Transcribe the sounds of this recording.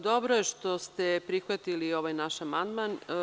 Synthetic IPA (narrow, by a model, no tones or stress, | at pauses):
d̪obɾojeʃt̪o̞st̪epɾixʋat̪ilio̞ʋajnaʃamand̪man